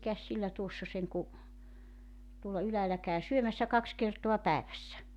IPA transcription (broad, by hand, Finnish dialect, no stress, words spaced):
mikæs silːæ tuosːɑ seŋku tuolːɑ ylæːlæ kæˑy syømæsːæ kɑks kertoɑ pæeʋæsːæ